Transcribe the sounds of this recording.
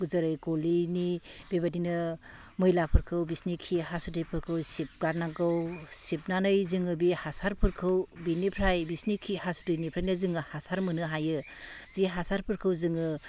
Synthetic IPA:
ɡuzɐɾɯjkolinib̥ebadinɯ | mɯjlapʰɯɾkʰɯwbisnikʰiɦasutɯjpʰɯɾkʰɯwsip̚ɡaɾnaɡɯwsip̚nanɯjzɯŋɯbihasaɾpʰɯɾkʰɯwbinipʰɾajbisnikʰihasu̥tɯjnipʰɾajnɯzɯŋɯhasaɾmɯnɯɦajɯ | ziɦasaɾpʰɯɾkʰɯwzɯŋɯ

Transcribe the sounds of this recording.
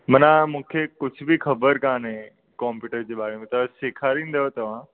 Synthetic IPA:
mɐnãmũːkʰekʊd͡ʑʱʊbʱixɐbəɾkãːnɦẽ | kɔːmpjuːʈəɾd͡ʑeːɓaːɾɽemẽt̪ɐseːkʰaːɾĩːn̆d̪ɐjot̪ɐʋ̤ã

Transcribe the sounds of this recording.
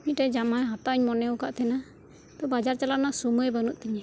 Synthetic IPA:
mit̪̚ʈɛd͡ʒamajɦat̪aʔɔɲmɔnɛukaʔt̪ʰɛna | t̪ɔbad͡ʒaɾt͡ʃalaʔnasumuɛbanuʔ̚t̪ɛɲɛ

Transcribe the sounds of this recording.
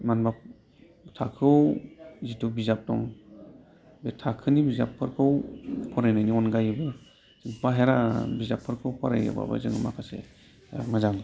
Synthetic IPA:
manba | tʰakʰɯwzitʰubizap̚dɔ̰ŋ | betʰakʰɯnibizapʰːɯɾkʰɯwpʰɔɾejnajniɔnɡajɯbɯ | z̥ɯŋpaɦeɾabizapʰːɯɾkʰɯwpʰaɾajɯ̰ba̰bɯ̰zɯŋɯma̰kʰasḛ | mazaŋ

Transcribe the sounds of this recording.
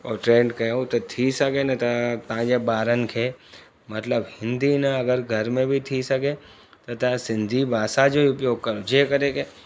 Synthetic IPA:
ɔːʈɾẽːɳɖkɐeot̪ot̪ʰisɐkenɐt̪at̪ãːd͡ʒebaːɾənkʰeː | mɐt̪ləbhɪ̃nd̪inɐɐɡəɾɡʱɐɾmẽbʱit̪ʰisɐke | t̪ot̪asɪ̃nd̪ʱibʱaːsad͡ʒoːiʊpjoːɡ̚kɐɾod͡ʒeːkɐɾeːke

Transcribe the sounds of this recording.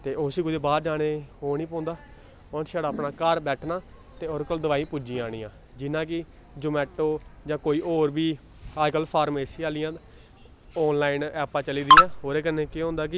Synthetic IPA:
t̪eːʔosiːkʊd͡ʒbaːɾd͡ʒaːneːoːnĩːpɔ̃ːnd̪aː | ɔːɾʃaːɽaːpnaːkəɾbɛːʈʰnaː | t̪eːoːɾkəld̪əʋaːĩːpud͡ʒĩːaːɽ̃ĩːãː | d͡ʒɪnãːk̬ɪ | d͡ʒʊmɛːʈoːd͡ʒãːkoːiːʔoːɾbiː | aːd͡ʒkəlpʰaːɾmeːsiaːlɪjãː | ɔːnlaːinɛːpãːt͡ʃəliːd̪iːjãːɦoːɾeːkəɾneːkeɦõːnd̪aːkɪ

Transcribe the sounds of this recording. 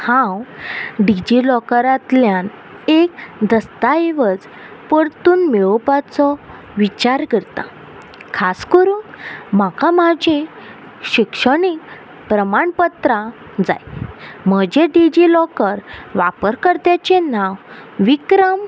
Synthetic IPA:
hãwɖid͡ʑilɔkəɾat̪ljan | ekd̪əst̪aeʋəd͡z | pəɽt̪uːnmeɭpat͡sɔ | ʋit͡ɕaɾɡəɾt̪a̰ | kʰaskəɾuːnmakamad͡ʑʱe | ɕikʂəɳik̚ | pɾəmaɳpət̪ɾa | d͡za̰jm̤əd͡ʑeɖid͡ʑilɔkəɾʋapəɾkəɾt̪jat͡ɕenãwʋikɾəm

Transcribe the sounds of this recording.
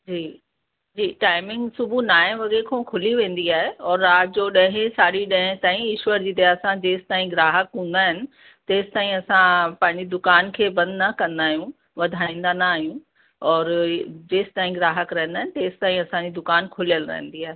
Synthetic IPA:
d͡ʑiː | d͡ʑiːʈaːɪmɪ̃ŋɡsʊbʱunaːẽʋɐɠekʰõːkʰʊliʋẽːn̆d̪iaːɦeɔːɾːaːd͡ʑoɗɐ̃ɦẽsaːɗiɗɐ̃ɦẽt̪aːĩɪʃwəɾd͡ʑiːd̪ɐaːsãd͡ʑeːsɪ̥t̪aːĩɡɾaːɦəkɦũːn̆d̪aːɦɪnɪ̆ | t̪eːst̪aːĩɐsãpɐ̃ɦɪ̃ɲd͡ʑid̪ʊkaːnkʰeːbɐ̃nd̪ʱnɐkɐ̃nd̪aːɦijũ | ʋɐd̪ʱaːĩːnd̪anaːɦijũ | ɔːɾd͡ʑeːst̪aːĩɡɾaːɦəkɾɐɦnd̪aːɦɪnɪ̆t̪eːst̪aːĩɐsãɲd͡ʑid̪ʊkaːnkʰʊlijəlɾɐ̰ɦə̃nd̪iaːɦe

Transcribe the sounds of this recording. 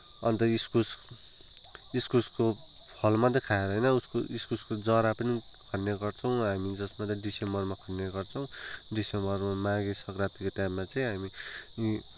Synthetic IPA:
ʌnt̪ʌiskus | iskusko | pʰʌlmat̪̬ʌkʰaeɾʌɦjnʌuskoʔiskuskod͡zʌɾapʌni | kʰʌnjaɡʌrt͡sʰʌw̃ɦamid͡zʌsmat̪ʌɖisembʌrmakʰʌnjaɡʌrt͡sʰʌw̃ɖisembʌrmamãɡesʌkrat̪ikoʈjamːat͡sʌĩɦami

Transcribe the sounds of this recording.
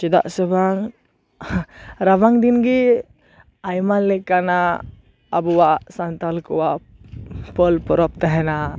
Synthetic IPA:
t͡ʃid̪a̰ʔsəbaŋ | ɾabaŋd̪inɡi | ajmanlɛkanaː | buwaʔsant̪alkɔwaʔ | pəlpɔɾɔp̚t̪aɦɛna

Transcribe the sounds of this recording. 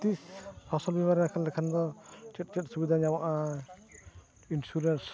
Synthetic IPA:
t̪ishɔsɔlbimaɾɛakʰalːɛkʰand̪ɔt͡ʃɛt̚t͡ʃɛt̚subid̪aɲawaʔa | insuɾens

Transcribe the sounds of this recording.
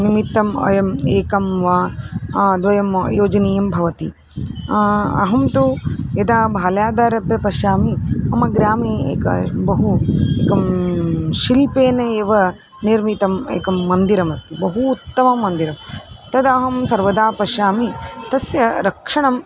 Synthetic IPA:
nimit̪ːɐmɐ̰jɐmeːkɐmʋaː | d̪ʋɐjɐmjoːd͡ʒɐneːjɐmbʱɐʋɐt̪i | ɐ̰ɦɐmt̪ujɐd̪aːbʱaːljaːd̪aːɾɐpjɐpɐʃjaːmiɐmɐɡɾaːmiḛːkɐ̰bɐɦueːkɐm | ʃilpeːnɐeːʋɐ | niɾmit̪ɐmḛːkɐmːɐnd̪iɾɐmɐst̪ibɐɦuːt̪ːɐmɐmːɐnd̪iɾɐmt̪ɐd̪aːɦɐmsɐɾʋɐd̪aːpɐʃaːmit̪ɐsjɐɾɐkʂɐɳɐm

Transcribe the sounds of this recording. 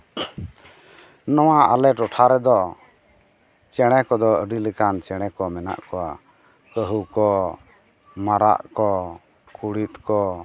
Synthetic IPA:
nɔwaa̰lɛʈɔʈʰaɾɛd̪ɔ | t͡ʃɛɽ̃ɛkɔd̪ɔəɖilɛkant͡ʃɛɽ̃ɛkɔmɛna̰ʔkɔwa | kəɦukɔ | maɾa̰ʔkɔ | kuɽit̪̚kɔ

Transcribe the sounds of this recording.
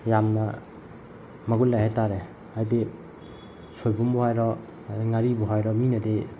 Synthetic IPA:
jamna | maɡulajhajtaɾe | ajde | sɔjbumbɔhajɾɔ | ŋaɾibɔɦajɾɔminade

